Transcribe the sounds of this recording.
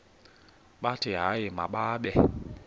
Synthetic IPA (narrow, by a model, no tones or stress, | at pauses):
ɓatɪɦajɪmaɓaːɓɛ